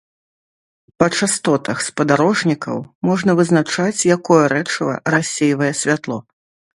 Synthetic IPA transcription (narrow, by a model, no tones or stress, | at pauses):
pɐt͡ʂast̪ɔt̪ɐxspɐd̪aɾɔʐnʲikɐ̰wmɔʐn̪ɐvɨzn̪at͡ʂat͡sʲjakɔjɐɾɛt͡ʂɐvɐ̰rasʲːejvɐjɛsʲvʲat̪lˠɔ